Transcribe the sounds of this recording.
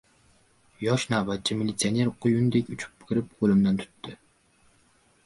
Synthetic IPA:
jɑʃnɑːvɛt̪̚t͡ʃʰːimilit̪sijɑneɾqʰojund̪ɛkʲyt͡ʃʰy̥p̚b̥ɪkʲɪɾɪpʁolˠɨmd̪ɛnt̪ʰy̥t̪ʰːɪ

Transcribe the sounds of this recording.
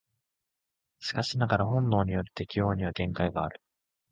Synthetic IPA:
sɨ̥kaɕinaɡaɾaɦõ̞nːo̞ːɲ̟ijo̞ɾɯ̟t̪e̞kʲijo̞ːɲ̟iβaɡẽ̞ŋkaiɡaːɾɯ̟̥

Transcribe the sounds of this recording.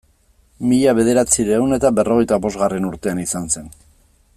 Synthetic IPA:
miʎaβe̞ð̞e̞ɾat͡siɾewne̞t̪abe̞ro̞ɣ̞e̞jt̪aβo̞zɣare̞nuɾt̪e̞anisanse̞n

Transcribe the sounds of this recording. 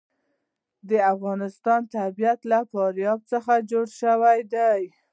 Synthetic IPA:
d̪əafɣɑnɪst̪ɑnt̪abijat̪lafɑɾjɑb̚t͡səxad͡ʒoɽʃəwajd̪aj

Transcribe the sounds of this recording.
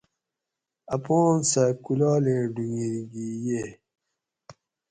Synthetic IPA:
ɐpõːnsakulɑːleɖuŋiɾɡije

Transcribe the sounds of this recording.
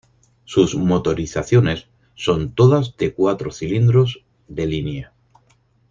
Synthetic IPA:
suzmo̞t̪o̞ɾiθaθjo̞ne̞sː | o̞nt̪o̞ðazde̞kwat̪ɾo̞θilind̪ɾo̞z | ðe̞linja

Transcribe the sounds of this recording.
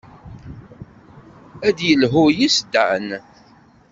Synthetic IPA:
æd̪jəlɦʊjisd̪ːʕan

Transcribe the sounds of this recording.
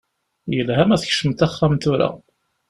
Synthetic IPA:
jəlɦæmæθçʃəmt̪æχːæmt̪ʊɾa̰

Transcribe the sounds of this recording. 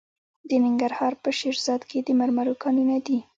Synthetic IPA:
d̪ənɪŋɡaɾhɑɾpəʃeɾzɑd̪ked̪əmaɾmaɾokɑninad̪i

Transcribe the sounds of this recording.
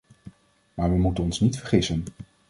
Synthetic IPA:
maːɹʋəmutənɔnsnitfəɹχɪsən

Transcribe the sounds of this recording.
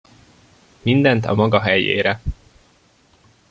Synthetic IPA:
mind̪ɛnt̪ɒ̰mɒɡɒɦɛjḛːɾɛ

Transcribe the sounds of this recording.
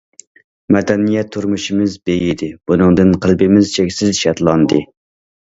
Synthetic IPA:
mɛd̪ɛnijɛt̪ʰːuɾmuʃɪmɪzbejɪd̪ɪbunɨŋd̪ɨnqʰəlˠbɪmɪzt͡ʃʰɛkʲsɪzʃɛt̪lˠɑnd̪ɨ

